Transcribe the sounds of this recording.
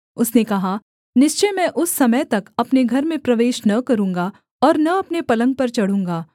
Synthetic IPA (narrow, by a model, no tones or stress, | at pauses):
ʊsnekɐɦa | nɪst͡ʃejmɛ̃ːʔʊsːɐməjt̪ɐkɐpneɡʱɐɾmẽpɾɐʋeːʃnɐkɐɾũːŋɡa | ɔːɾnɐɐpnepɐlə̃ŋɡ̚pɐɾt͡ʃɐɽ̤ũːŋ̆ɡaː